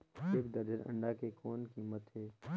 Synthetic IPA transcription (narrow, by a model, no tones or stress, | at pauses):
eːkd̪ɐɾd͡ʒənə̰̃ɳɖakekɔːnkiːmət̪ɦɛː